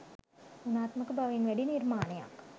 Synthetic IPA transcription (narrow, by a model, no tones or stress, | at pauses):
unaːt̪məkəbaʋeŋʋæɖinirmaːnəja̰k